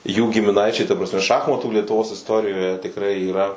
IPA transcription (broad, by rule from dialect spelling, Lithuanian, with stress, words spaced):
juː ɡʲɪmʲɪˈnɐɪt͡ʃʲɛɪ tɐ prɐsʲˈmʲɛ ˈʃɑːxmɐtuː lʲiɛtʊˈʋoːs ɪsˈtoːrʲɪjoːjɛ tʲɪkˈrɐɪ iːˈrɐ